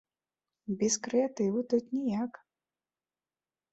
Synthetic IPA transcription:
bʲiskɾɛat̪ɪʋʊt̪ʊt̪ʲnʲijak

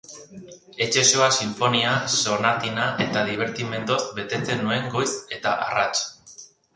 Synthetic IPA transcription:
e̞t͡ʃe̞so̞asiɱfo̞niaso̞nat̪inaʔe̞t̪aðiβ̞e̞ɾt̪ime̞nd̪o̞sbe̞t̪e̞t͡se̞nːue̞ŋɡo̞jse̞t̪aʔa̰rat͡ʃ

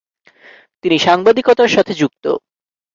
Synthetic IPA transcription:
t̪iniʃaŋbad̪ikɔt̪aɾʃat̪ʰed͡ʑuk̚t̪o̰

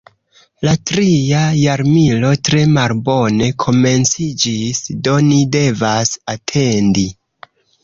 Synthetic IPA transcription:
latɾiajaɾmilo̞tɾe̞malbo̞ne̞kʰo̞me̞nt͡sid͡ʒisdo̞nide̞vasatʰe̞ndi

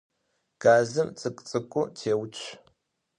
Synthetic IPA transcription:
ɡ̥aːzɨmt͡sʼɨkʼt͡sʼɨkʷʼʊtʰeːwt͡ʃʷʰ

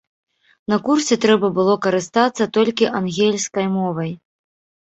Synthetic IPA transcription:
nɐkursʲɛt̪ɾɛbɐbɨlˠɔkɐɾɨst̪at̪sːɐt̪ɔlʲkʲiʔanɣʲelʲskɐjmɔvɐj

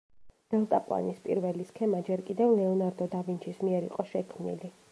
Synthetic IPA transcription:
d̪̥ɛlˠt̪ʼapʼwa̰nispʼḭɾvɛliskʰɛmad͡ʒɛɾkʼid̪ɛvlɛɔnaɾd̪ɔd̪avint͡ʃʰismiɛɾḭqʼɔʃɛkʰmnḭli

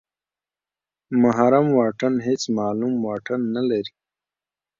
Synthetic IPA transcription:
maɦaɾamwɑːʈənɦet͡smaːlumwɑːʈənːalaɾi

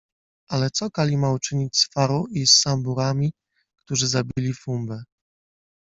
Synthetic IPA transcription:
alɛt̪sɔkalʲimaut͡ʂɘɲit͡ɕsfaɾɔisːambuɾamʲi | kt̪uʐɘzabʲilʲifumbɛ

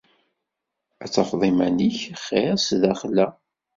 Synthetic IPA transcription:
æt͡sːɑfðˤimæniçχːeɾsðæχlːæ

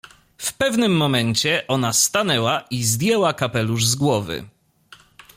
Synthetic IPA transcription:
fpɛvnɘmːɔmɛɲt͡ɕɛʔɔnast̪anɛwaʔizd̪jɛwakapɛluʐzɡwɔvɘ̰

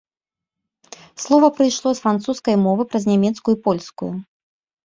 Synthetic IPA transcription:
slˠɔvɐpɾɨjʂlˠɔsfɾant̪suskɐjmɔvɨpɾɐznʲamʲɛt̪skujuipɔlʲskuju

